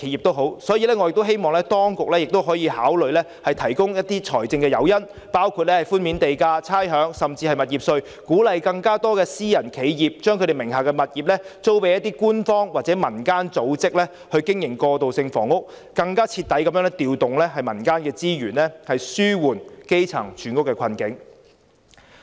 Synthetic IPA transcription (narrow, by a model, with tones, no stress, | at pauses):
kʰe˨˥ji˨˩t̪o˥wɦo˨˥wsɔː˨˥jiː˨˧lɛː˥ŋɔ˨˧jɪ˨kt̪o˥wɦe˥jmɔː˨˩ŋlɛː˥t̪ɔː˥ŋkʊ˨k̚lɛ˥jɪ˨k̚t̪o˥wɦɔː˨˥jiː˧haː˨˥wlɵ˨ɥlɛː˥hɐ˨jt̪ʰɐ˨˩jkʊ˥ŋjɐ˥t̚t̪iː˥t͡sʰɔ̰ː˨˩jt͡sɪ˧ŋkɛː˧jɐ˨˧wjɐ˥n | paː˥wkʰu˨˧t̚lɛː˥hɐ˨˩jfuː˥nmiː˨˥nt̪e˨jkaː˧t͡sʰaː˥jɦœː˨˥ŋsɐ˨mt͡siː˧hɐ˨jmɐ˨t̚jiː˨p̚sɵ˧ɥ | kuː˨˥lɐ˨jkɐ˧ŋkaː˥t̪ɔː˥kɛː˧siː˥jɐ˨˩nkʰe˨˧jjiː˨p̚t͡ʃœː˥ŋkʰɵ˧ɾe˨jmɪ˨˩ŋɦaː˨˩kɛ˧mɐ˨t̚jiː˨p̚lɛ˥t͡so˥wpe˨˧jɐ˥t̪̬ːiː˥kuː˥nfɔː˥ŋwaː˨t̚t͡sɛ˨˥mɐ˨˩nkaː˥nt͡so˨˥wt͡sɪ˥k̚lɛː˥ | hɵ˧ɥkɪ˥ŋjɪ˨˩ŋkɔː˧t̪o˨wsɪ˧ŋfɔ̰ː˨˩ŋʊ˥k̚ | kɐ˧ŋkaː˥t͡sʰi˧t̪ːɐ˨˥jkɐ˨˦mjœː˧˥ŋnɛ˥t̪iː˨wt̪ʊ˨ŋlɛː˥ɦɐ˨˩jmɐ˨˩nkaː˥nkɛː˧t͡siː˥jyː˨˩nlɛː˥hɐ˨jsyː˥wuː˨˩nke˥jt͡sʰɐ̰˨˩ŋt͡ʃʰyː˨˥nkʊ˥kːɛː˧kʰɐ˧nkɪ˨˥ŋ